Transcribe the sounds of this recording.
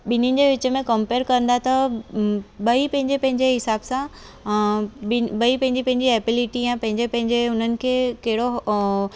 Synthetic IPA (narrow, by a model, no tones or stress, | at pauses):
ɓɪnɪnɪ̆d͡ʑeːʋɪt͡ɕə̆mẽkɐ̃mpeːɾkɐɾə̃nd̪at̪ɐ | ɓɐipɐ̃ɦɪ̃ɲd͡ʑepɐ̃ɦɪ̃ɲd͡ʑeɦɪsaːbsã | ɪɓɐipɐ̃ɦɪ̃ɲd͡ʑipɐ̃ɦɪ̃ɲd͡ʑiɛːbɪlɪʈijãpɐ̃ɦɪ̃ɲd͡ʑepɐ̃ɦɪ̃ɲd͡ʑeʊn̤ənɪ̆kʰeːkɐɦɪɽo